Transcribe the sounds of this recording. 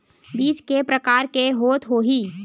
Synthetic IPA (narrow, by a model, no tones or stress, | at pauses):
biːt͡ʃkepɾəkaːɾkeɦoːt̪ɦoːɦiː